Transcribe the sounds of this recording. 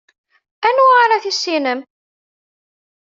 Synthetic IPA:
ænʁaɾaθisːinəm

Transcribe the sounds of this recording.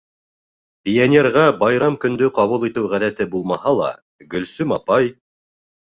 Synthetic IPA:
pʲijenʲerʁɑbɑjɾɑmkɵ̆nd̪ɵqɑβulˠit̪ɘwʁæðæt̪ɘbulˠmɑhɑlˠɑ̰ | ɡɵ̆lsɵmɑpɑj

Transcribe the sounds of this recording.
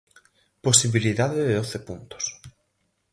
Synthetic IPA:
posiβiliðaðɪðeðoθepunt̪o̥s

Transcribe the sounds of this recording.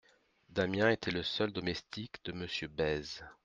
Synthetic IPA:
d̪amjɛ̃et̪ʰɛləsœld̪ɔmɛst̪ikd̪əməsjøbɛz

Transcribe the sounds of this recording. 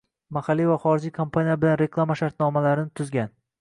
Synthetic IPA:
mahalːivaχɒɾɪd͡ʒijkʰompʰanijabɪlanɾekʰlˠamaʃaɾt̪nɒmalaɾɪnɪt̪ʰʊzɡʲan

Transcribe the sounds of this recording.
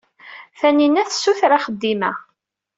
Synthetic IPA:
θæninæθsːuθɾaχəd̪ːimæ

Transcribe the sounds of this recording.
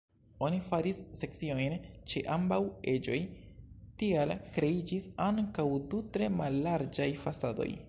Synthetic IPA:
o̞nifaɾisːe̞k̚t͡sio̞jnt͡ʃeʔambawe̞d͡ʒo̞̰jtialkɾe̞id͡ʒisaŋkawdutɾe̞malːaɾd͡ʒajfasado̞̰j

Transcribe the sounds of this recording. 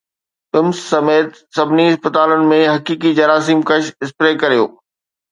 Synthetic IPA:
ɪmsːɐmeːt̪sɐbʱɪniɪspət̪aːlənɪ̆mẽɦɐkiːkid͡ʑɐɾaːs̬iːmkɐʃɪspɾeːkɐɾijo̰ː

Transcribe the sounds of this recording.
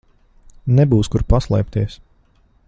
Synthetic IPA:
nɛbuːskuɾpaslˠɛjp̚t̪iɛs

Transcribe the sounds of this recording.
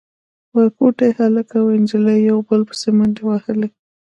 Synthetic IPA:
wakoʈaehalakawɪnd͡ʒilajjawbəlpə̥semənewahəli

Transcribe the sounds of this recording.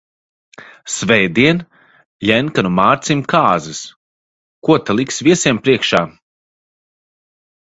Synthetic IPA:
svɛjd̪iɛn | jɛnkanumaːɾt̪simʲkaːzɨs | kuɔt̪alˠiksvʲiɛsiɛmpɾiɛkʃaː

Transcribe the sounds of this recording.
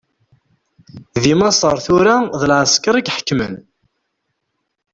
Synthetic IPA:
ðimɑsˤəɾˤθuɾaðəlʕəskɑɾˤikħə̥kːmə̰n

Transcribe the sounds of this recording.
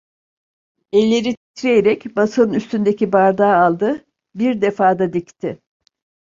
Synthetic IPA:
ɛlʲːe̞ɾit̪ʰi̥t̪ʰɾejeɾɛcbasɯɯnyst̪ynd̪e̞cʰibaɾd̪aːlˠd̪ɯ | biɾd̪e̞faːd̪ad̪ict̪ʰɪ

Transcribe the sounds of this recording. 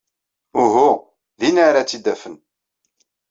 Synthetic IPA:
ʊɦu | ðinaɾat͡sːid̪æfən

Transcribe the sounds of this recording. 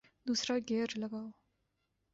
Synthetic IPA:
d̪usrʌɡeɾlʌɡaw

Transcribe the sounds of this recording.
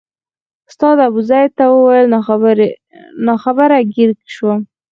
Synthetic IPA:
ʊst̪ɑd̪abuzajt̪awəwajəl | nɑxabəɾaɡɪɾkʃwa

